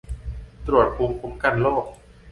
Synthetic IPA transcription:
t̪ɾu˨˩ət̪̚pʰuː˨˧˥mpʰo˨˦˥mka˧˩˨nloː˥˩k̚

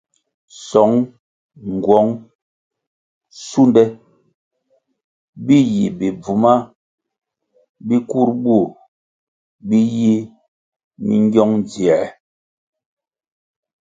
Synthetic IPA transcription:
sɔ˨˦ŋ | ŋ˨ɡwɔ˨˦ŋ | su˦ndɛ˦ | bi˦ji˨bi˨b͡vu˨ma˦ | bi˦ku˦˨ɾbu˦˨ | bi˦ji˦ | mḭ˦ŋ˦ɡjɔ˦ŋd͡zi˨ɛ˨

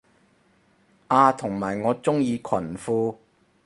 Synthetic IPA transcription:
ʔaː˧t̪ʰʊ˨˩ŋmaː˨˩jŋɔː˨˧t͡sʊ˥ŋjiː˧kʰɐ˨˩nfuː˧

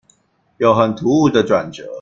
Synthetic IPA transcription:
jo˨˩ʊxə˨˩nt̪ʰu˧˥u˥˩d̪ə˨ʈ͡ʂwa˨˩nʈ͡ʂɤ˧˥˦

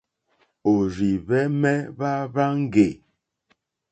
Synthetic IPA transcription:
o˨ɾi˨βɛ˦mɛ˦βa˦βa˦ŋ̩˦ɡe˨

